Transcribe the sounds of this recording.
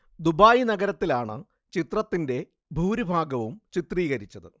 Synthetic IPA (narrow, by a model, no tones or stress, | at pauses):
d̪ubaːjinɐɡɐɾɐt̪ːilaːɳɨ̰ | t͡ɕit̪rɐt̪ːinde̞ | bʱuːɾibʱaːɡɐʋumt͡ɕit̪riːɣɐɾit͡ɕːɐðɨ